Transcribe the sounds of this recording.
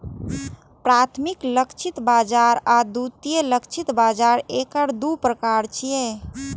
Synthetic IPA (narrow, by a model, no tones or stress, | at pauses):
pɾat̪ʰmikləkt͡ʃʰit̪bad͡ʒaɾad̪ut̪ijeləkt͡ʃʰit̪bad͡ʒaɾekəɾd̪upɾəkaɾt͡ʃʰije